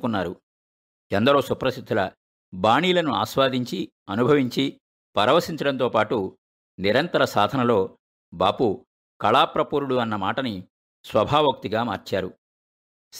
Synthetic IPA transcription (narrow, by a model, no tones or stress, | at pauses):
kunːaːɾu | ɛnd̪ɐɾo̞ːsupɾɐsid̪ʰʱːulɐ | baːɳiːlɐnua̰ːʃʋaːd̪ʱiɲt͡ʃi | ɐnubʱɐʋiɲt͡ʃi | pɐɾɐʋɐsiɲt͡ʃɐɽɐnt̪o̞ːpaːʈu | niɾɐnt̪ɐɾɐsaːd̪ʱɐnɐlo̞ː | baːpu | kɐɭaːpɾɐpuːɾuɽuɐnːɐmaːʈɐni | sʋɐbʱaːʋɐk̚t̪iɡaːma̰ːɾt͡ʃaːɾu